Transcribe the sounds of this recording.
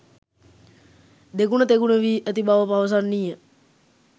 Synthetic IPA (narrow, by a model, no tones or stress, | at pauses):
d̪ekunət̪ekunəʋiːʔət̪ibaʋəpaʋəs̬anːijə